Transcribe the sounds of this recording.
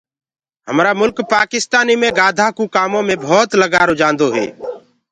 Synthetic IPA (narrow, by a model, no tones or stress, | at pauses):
ɦəmɾaːmʊlkpaːkɪst̪aːniːmẽːɡaːd̪ʱaːkuːkaːmõːmẽːbʱɔːt̪ləɡaːɾʊd͡ʒãːnd̪oːɦɛ̰ː